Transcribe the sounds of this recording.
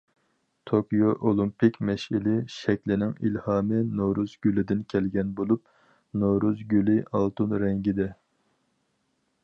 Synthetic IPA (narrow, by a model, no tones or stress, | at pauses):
t̪ʰokʲijoʔolˠimpɪkʲmɛʃilɪʃɛkʲlɪnɪŋḭlhɑːmɨnoɾuzɡʲylɪd̪ɪnkʲʰɛlɡʲɛnbolˠup̚ | noɾuzɡʲylɪʔɑlˠt̪unɾɛŋɡʲid̪ɛ